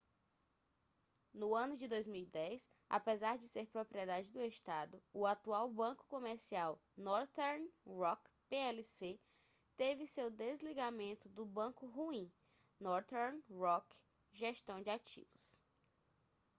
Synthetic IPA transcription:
nʊɐ̃nʊd͡ʒɪd̪ojzmiwid̪ɛjs | a̰pezaɾd͡ʒɪseɾpɾopɾiɛd̪ad͡ʒɪd̪ʊeʃt̪ad̪ʊʊat̪uawbɐ̃kʊ̥kõmeɾsiawnɔɾt̪ɛɾnɾɔkpeɛlise | t̪evɪsewd̪ezliɡamẽnt̪ʊd̪ʊbɐ̃kʊɦuĩ | nɔɾt̪ɛɾnɾɔk | ʒeʃt̪ɐ̃w̃d͡ʒɪat͡ʃḭvʊs

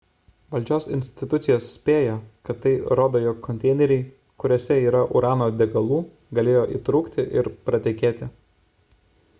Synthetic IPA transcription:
ʋɐlʲd͡ʒʲoːsɪ̰nʲsʲt̪ʲɪt̪ʊt̪sʲɪjoːssʲpʲeːjoːkɐt̪ːɐɪɾoːd̪oːjoːkʰːɔnt̪ʲɛɪnʲɛɾʲɛɪ | kʊɾʲoːsʲɛiːɾɐʔʊɾɑːnoːd̪ʲɛɡɐlˠuː | ɡɐlʲeːjoːʔḭːt̪ɾuːkt̪ʲɪʔɪɾpɾɐt̪ʲɪkʲeːt̪ʲɪ

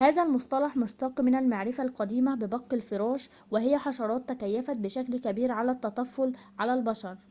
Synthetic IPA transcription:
hæːzælmʊsˤt̪ˤɑlɑħmʊʃt̪ɑːqmɪnælmaʕɾɪfalqɑd̪iːmæbɪbɑqːɪlfɪɾɑːʃ | wɪhɪjːæħɑʃɑɾˤɑːt̪ːækæjːæfæt̪bɪʃæklkæbiːɾʕalæt̪ːɑt̪ˤɑfːʊl | ʕalælbɑʃɑɾˤ

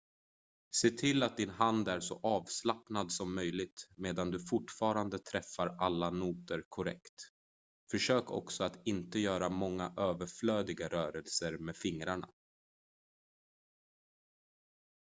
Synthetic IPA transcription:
seːt̪ʰɪlːat̪̚d̪ɪnɦand̪æɾʂɔ̰ʔɑːvslapnad̪sɔmːœjlɪɡ̚t̪meːd̪and̪ɵfʊʈfɑːɾand̪ət̪ʰɾɛfːaɾalːanuːt̪əɾkʰʊɾɛ̰kt̪ | fœʂøːkʰɔ̰ksɔat̪ɪnt̪əjœːɾamɔŋːaʔøːvəɾfløːd̪ɪɡaɾœːɾɛlsəɾmeːdfɪŋɾaɳa̰

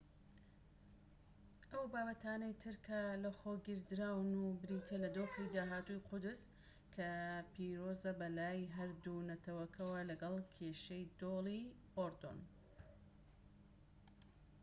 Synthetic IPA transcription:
ʔɐwbaːbɐt̪aːnɐjt̪ʰɨɾkʰɐlɐxoːɡɨɾd̪ɾawnubɨɾit̪ʰɐlɐd̪oːxid̪aːɦaːt̪ujqʰʊd̪ɨz | kʰɐpiːɾozɐbɐlaːjɦɐɾd̪unɐt̪ʰɐwɐkʰɐwɐlɐɡɐlˠkʰeːʃɐjd̪olˠi | ʔoɾd̪o̰n

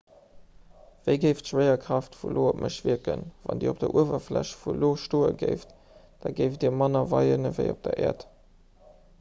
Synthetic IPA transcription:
v̥əɪɡəɪftʃwəɪɐkʰʁ̥ɑftfulʔoːopmʔəʃv̥iəkənvɑ̰ndḭːop̚d̥ɐʔuəvɐflæɕfuloːʃtoːəɡeɪft | d̥ɑːɡəɪfdiːɐmɑnɐvɑɪənəvəɪop̚d̥ɐʔɛːɐt

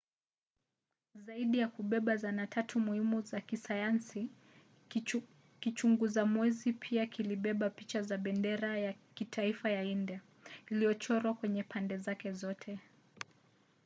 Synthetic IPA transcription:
zaiɗijakuɓɛɓazanatʰatʰumuhimuzakisajansi | kit͡ʃuŋɡuzamwɛzipʰiakiliɓɛɓapit͡ʃazaɓɛndɛɾaja | kitʰaifajaindia | iliɔt͡ʃɔɾwakwɛɲɛpʰandɛzakɛzɔtʰɛ

